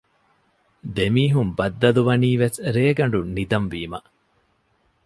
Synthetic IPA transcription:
d̪emiːɦumbɐd̪ːɐluʋɐniːʋesɾeːɡɐɳ̆ɖunid̪ɐmʋiːmɐ

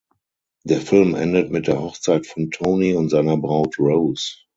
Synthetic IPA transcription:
d̥eːɐfɪlmʔɛ̰ndətmɪt̚d̥eːɐhɔχt͡saɪtfɔ̃ntʰoʊniʊ̃ntz̥aɪnɐbʁaʊtɹoʊs

